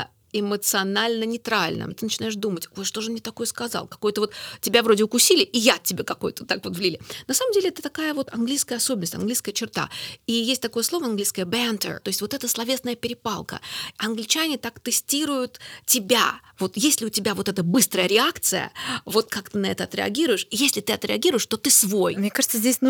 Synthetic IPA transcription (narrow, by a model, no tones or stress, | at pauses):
ɪmət̪sɨɐnalʲnənʲɪt̪ɾalʲnʔə̰mt̪ɨnət͡ɕɪnajɪʂd̪umətʲvot̪ʂt̪o̞ʐɨmnʲet̪ɐko̞jəskɐzɑ̰lˠkɐ̥ko̞jt̪əvo̞t̪tʲːɪbʲavɾodʲɪʊkʊsʲilʲɪʔːjatʲːɪbʲekɐko̞jt̪ət̪akvo̞t̪vlʲilʲɪnɐsaməmdʲelʲɪɛt̪ət̪ɐkajəvo̞t̪ɐnɡlʲijskəjəɐso̞bʲɪnəsʲtʲɐnɡlʲijskəjət͡ɕɪrt̪a̰ijesʲt̚ʲt̪ɐko̞jəslˠo̞vəɐnɡlʲijskəjəbʲant̪ə̰rt̪o̞jɪsʲtʲvot̪ɛt̪əslˠɐvʲe̞snəjəpʲɪɾʲɪpalˠkə̰ɐnɡlʲɪt͡ɕænʲɪt̪akt̪ɨsʲtʲiɾʊjʊt̪tʲɪbʲa̰vo̞t̪jesʲlʲɪʊtʲɪbʲavo̞t̪ɛt̪əbɨst̪ɾəjəɾʲɪakt̪sɨjə̰vo̞t̪kakt̪ɨnɐɛt̪əɐt̪ɾʲɪɐ̰ɡʲiɾʊjɪʂjesʲlʲɪt̪ɨɐt̪ɾʲɪɐɡʲiɾʊjɪʂt̪o̞t̪ɨsvojmnʲekaʐət̪səzʲdʲesʲn